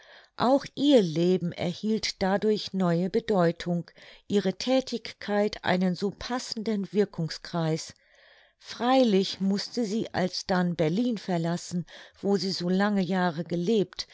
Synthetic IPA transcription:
ʔaʊxʔiːɐleːbm̩ɛ̰ɐhiːltd̥adʊɐçnɔʏəbədɔʏtʰʊŋʔiːʁ̞ətʰɛːtʰɪçkʰːaɪtʰʔa̰ɪnənzoːpʰasn̩dənvɪɐkʰʊŋskʁ̥aɪs | fʁ̥aɪlɪçmʊstəziːʔa̰lsd̥anbɛɐliːnfɛɐlasn̩v̥oːziːzoːlaŋəjaːʁəɡəleːpt

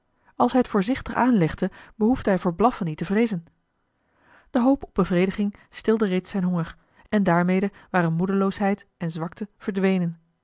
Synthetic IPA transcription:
ɑlˠsɦɛjətfʊːɹzɪχtəχaːnlɛχdəbəɦufdəɦɛjvoːɹblɑfənːitəvrejzən | d̥əɦowpɔb̚bəvrejdəχɪŋstɪlˠdərejtsɛjnɦɔŋəɹ | ɛndaːɹmejdəʋaːɾənmudəlowsɦɛjtɛnzʋɑktəv̥əɹdʋejnən

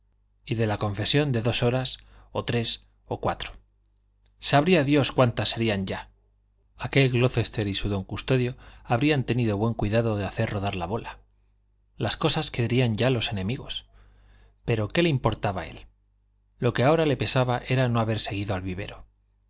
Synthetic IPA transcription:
iðe̞lako̞ɱfe̞sjo̞nd̪e̞ðo̞so̞ɾaso̞t̪ɾe̞s | o̞kwat̪ɾo̥ | saβɾiaðjo̞skwant̪asːe̞ɾiaɲɟ͡ʝa | ake̞lɣlo̞θe̞st̪e̞ɾisuðo̞ŋkust̪o̞ðjo̞aβɾiant̪e̞niðo̞βwe̞ŋkwiðaðo̞ðeaθe̞ɾro̞ðaɾlaβo̞la | lasko̞saske̞ɾiaɲɟ͡ʝalo̞se̞nẽ̞miɣo̞̰s | pe̞ɾo̞ke̞leimpo̞ɾt̪aβae̞̰lː | o̞ke̞ao̞ɾale̞pe̞saβaʔe̞ɾanoaβe̞ɾse̞ɣ̞iðoalβiβe̞̰ɾo̞

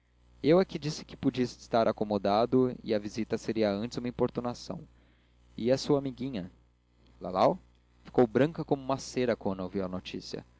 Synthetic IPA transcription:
ewɐkid͡ʒisɪ̥kɪ̥pud͡ʒiɐsɪ̥st̪aɾʔakomod̪ad̪ʊɪ̰ɐvizit̪ɐseɾiɐɐ̃nt͡ʃɪzũmɐĩpoɾt̪unasɐ̰̃w̃ | ɪɐsuɐamiɡĩɲɐ | la̰law | fi̥kowbɾɐ̃ŋkɐkõmʊũmɐseɾɐkɐ̃nowviwɐnot͡ʃisiɐ̰

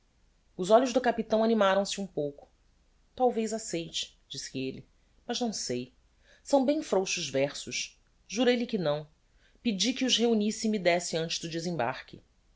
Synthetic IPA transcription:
ʊzɔʎʊʒd̪ʊkapit̪ɐ̃w̃animaɾɐ̃w̃sɪũpowkʊ̥ | t̪awvejzasejt͡ʃɪ̥ | d͡ʒisɪelɪ | mɐʒnɐ̃w̃sej | sɐ̃w̃bẽj̃fɾowʃʊʒvɛχsʊʃ | ʒuɾejlɪkɪnɐ̃w̃ | pɪd͡ʒikiʊzɦeunisɪmid̪ɛsɪɐ̃nt͡ʃɪzd̪ʊdezẽmba̰ɾkɪ̰

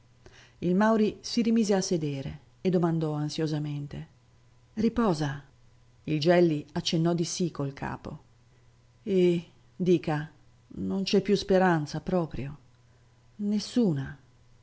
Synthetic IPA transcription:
ilmawɾisiɾimiːzeasːed̪eːɾḛː | d̪ːomand̪ɔansjozament̪e | ripɔːza | ild͡ʒɛlːiat͡ʃːenːɔd̪isikolkʰa̰ːpo̰ | e | d̪iːka | nont͡ʃɛpːjuspeɾant̪sapɾɔːpɾjo | nesːuːna

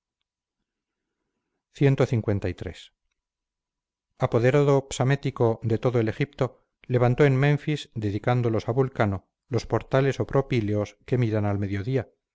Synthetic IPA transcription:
θje̞nt̪oθiŋkwe̞nt̪ajt̪ɾe̞̰s | apo̞ðe̞ɾaðo̞psamet̪iko̞d̪e̞t̪o̞ðoe̞le̞xip̚t̪o̞ | le̞βant̪o̞enmẽ̞ɱfizd̪e̞ðikand̪o̞lo̞saβulkano̞ | lo̞spo̞ɾt̪ale̞so̞pɾo̞pileoske̞miɾanalme̞ðjo̞ðia

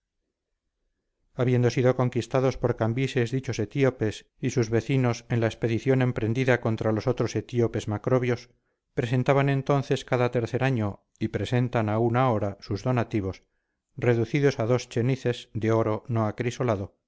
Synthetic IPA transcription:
aβjend̪o̞siðo̞ko̞ŋkist̪aðo̞spo̞ɾkambise̞zðit͡ʃo̞se̞t̪iope̞s | isuzβe̞θino̞se̞nlaespe̞ðiθjo̞nẽ̞mpɾe̞nd̪iðako̞nt̪ɾalo̞so̞t̪ɾo̞se̞t̪iope̞zmakɾo̞βjo̞s | pɾe̞s̬e̞nt̪aβanẽ̞nt̪o̞nθe̞skaðat̪e̞ɾθe̞ɾaɲo̞ | ipɾe̞se̞nt̪anaunao̞ɾasuzðo̞nat̪iβ̞o̞s | re̞ðuθiðosaðo̞st͡ʃe̞niθe̞zd̪eo̞ɾo̞no̞akɾiso̞laðo̞

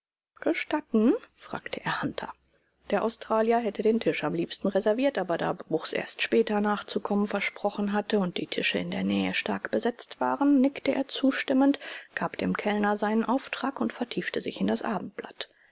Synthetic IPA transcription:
ɡ̥əʃtatn̩fʁ̥a̰ːktʰəʔeɐhantʰɐ̰ | d̥eːɐʔaʊstʁ̥aːljɐɦɛtədeːntʰɪʃamliːpstn̩ʁɛzɛɐviːɐtʔaːbɐda̰ːbʁʊxsʔḛːɐstʃpɛːtɐnaːχt͡sukʰɔmənfɛɐʃpʁ̥ɔχn̩ɦatəʊnt̚d̥iːtʰɪʃəɪndeːɐnɛːəʃtaɐkb̥əzɛt͡stv̥aːʁənːɪktəʔḛːɐt͡suːʃtɪməntɡ̥aːpd̥eːmkʰɛlnɐzaɪnənʔaʊftʁ̥aːkʊntfɛɐtʰiːftəzɪ̰çɪndasʔaːbm̩t̚b̥la̰t

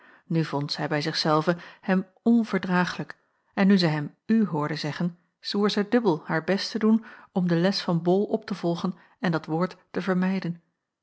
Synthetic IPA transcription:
nyvɔntsɛjbɛjzɪχsɛlˠvəhɛm | ɔnv̥əɹdʁaːχələk | ɛnːyzɛjɦɛm | yɦʊːɹdəzɛχən | z̥uːɹzɛjdɵbəlˠhaːɹbɛstədunɔmdəlɛsfɑnbɔlˠʔɔp̚təvɔlˠχən | ɛndɑtʋʊːɹtːəvəɹmɛjdən

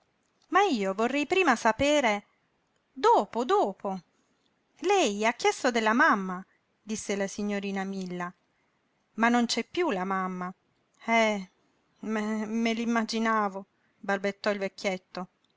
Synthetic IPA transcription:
maiːovorːɛjpɾiːmasapeːɾe | d̪oːpod̪oːpʰo | lɛjakːjɛst̪od̪elːamamːa | d̪isːelasiɲːoɾiːnamilːa | manːont͡ʃɛpːjulamamːa | ɛ | mɛmelimːad͡ʒinaːvo | balbet̪ːɔilvekːjɛt̪ːo

